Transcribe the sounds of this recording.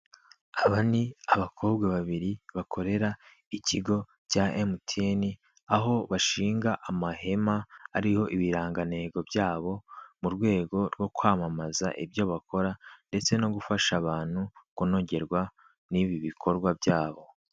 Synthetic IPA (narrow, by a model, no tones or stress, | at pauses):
aβaniaβakʰo̞ːbɡweβaβiɾiβakʰo̞ɾe̞ɾa | iciɡo̞ | caʔemutʰeni | aɦo̞βaʃiːŋɡaʔamahe̞maːɾiho̞ʔiβiɾaːŋɡane̞ːɡo̞bjaːβo̞muɾɡwe̞ːɡo̞ɾɡwo̞kwaːmamaza̰ʔibjo̞βakʰo̞ɾande̞t͡se̞no̞ɡufaʃaβaːn̥hukuno̞ɟe̞ɾɡwa | niβiβikʰo̞ɾɡwabjaːβo̞